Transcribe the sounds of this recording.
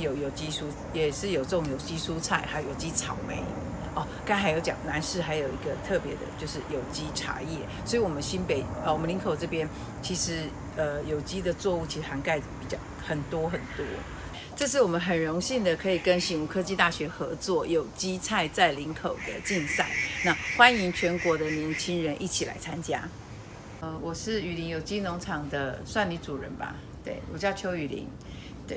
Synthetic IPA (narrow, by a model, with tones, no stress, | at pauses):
jo˨˩ʊjo˨˩ʊt͡ɕi˥ʂu˥ | jɛ˨˩ʂɻ̩˥˩jo˨˩ʊʈ͡ʂə˥˩ʊ˨˦ŋjo˨˩ʊt͡ɕi˥ʂu˥t͡sʰa˥˩ɪxa˧˥ɪo˨˩jo˨˩ʊt͡ɕi˥ʈ͡ʂʰɑ˨˩ʊmḛ˧˥ɪ | ɔ˥˩ | ka˥ɪxa˧˥ɪjo˧˥ʊt͡ɕjɑ̰˨˩ŋna˧˥nʂɻ̩˥˩xa˧˥ɪjo˨˩ʊi˧˥ɡə˧t̪ʰɤ˥˩pjɛ˧˥d̪ə̰˧t͡ɕjo˥˧ʊʂ̬ɻ̩˥˩jo˨˩ʊt͡ɕi˥ʈ͡ʂʰa̰˧˥jɛ˥˩swɔ˧˥i˨˩wɔ˨˩mə˦nɕi˥npe˨˩˦ɪ˩wɔ˨˩mə˦nli˧˥ŋkʰo˨˩ʊʈ͡ʂɤ˥˩pjɛ˥n | t͡ɕʰi˧˥ʂɻ̩˧˥ | ə˧jo˨˩ʊt͡ɕi˥d̪ə˨t͡swɔ˥˧u˥˩t͡ɕʰi˧˥ʂɻ̩˧xa˧˥nka˥˩ɪpi˨˩t͡ɕjɑ˥˩ʊxə˨˩nt̪wɔ˥xə˨˩nt̪wɔ˥ | ʈ͡ʂɤ˥˧ʂ̬ɻ̩˥˩wɔ˨˩mə˦nxə˨˩nɻo˧˥ŋɕi˥˩nd̪ə˨kʰɤ˧˥i˨˩kə˦˥nɕi˧˥ŋu˨˩kʰɤ˥t͡ɕi˥˧t̪a˥˩ɕɥɛ˧˥xɤ̰˧˥t͡swɔ˥˩jo˨˩ʊt͡ɕi˥t͡sʰa˥˧ɪt͡sa˥˩ɪli˧˥ŋkʰo˨˩ʊd̪ə̰˦t͡ɕi˥˧nsa̰˥˩ɪna˥˩xwa˦˥ni˧˥ŋt͡ɕʰɥɛ˧˥nkwɔ˧˥d̪ə˨njɛ˧˥nt͡ɕʰi˥ŋɻə˧˦nʔi˥˩t͡ɕʰi˨˩la̰˧˦ɪt͡sʰa˥nt͡ɕja̰˥ | ə˧wɔ˨˩ʂɻ̩˥˩y˨˩li˧˥ŋjo˨˩ʊt͡ɕi˥nʊ˧˥ŋʈ͡ʂʰɑ˨˩ŋd̪ə˦swa˥˩nli˧˥t͡su˨˩ɻə̰˧˦nba̰˧ | t̪we˥˩ɪwɔ˨˩t͡ɕjɑ˥˩ʊt͡ɕʰjo˧˥ʊy˨˩lḭ˧˥ŋ | t̪we˥˩